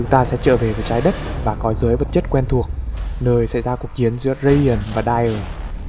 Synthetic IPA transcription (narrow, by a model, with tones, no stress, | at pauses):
ʊ˨˦ŋŋ͡mt̪aː˧sɛ̰˧˥t͡ɕə̰ː˧˩ve˨˩vəː˨˦t͡ɕaː˨˦jɗə˦˥t̚vaː˨˩kɔ˨˦zɨː˨˦jvə˨˩t̚t͡ɕə˦˥t̚kwɛ˧nt̪ʰu˨˩ək̚nəː˧jsɛ̰˧˩jzaː˧ku˨˩ək̚t͡ɕi˨˦ənzɨ̰˧˥əzə˧jə˨˩nvaː˨˩ɗaː˧jəː˨˩